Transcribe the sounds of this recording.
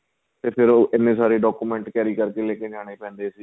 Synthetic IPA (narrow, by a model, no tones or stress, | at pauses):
t̪eːpʰɪɾoːɪnːẽːsaːɾeːɖɔːkuːmɛ̃ːɳʈkɛːɾiːkəɾkeːleːkeːd͡ʒaːɽ̃eːpɛ̃ːnd̪eːsiː